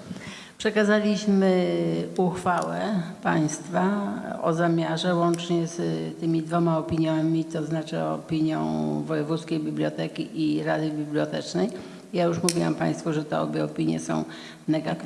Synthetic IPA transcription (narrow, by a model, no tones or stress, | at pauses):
pʂɛkazalʲiɕmɘuxfawɛpaj̃st̪faɔ̰zamʲjaʐɛwɔnt͡ʂɲɛst̪ɘmʲid̪vɔmaɔpʲiɲjamʲit̪ɔznat͡ʂɘ̰ɔ̰pʲiɲjɔ̰̃w̃vɔjɛvut̪skʲejbʲiblʲjɔt̪ɛkʲiʔiɾad̪ɨbʲiblʲjɔt̪ɛt͡ʂnɛj | jajuʂmuvʲiwa̰mpa̰j̃st̪fuʐɛt̪ɛɔbʲjɛɔpʲiɲjɛ̰sɔ̰̃w̃ | nɛɡak̪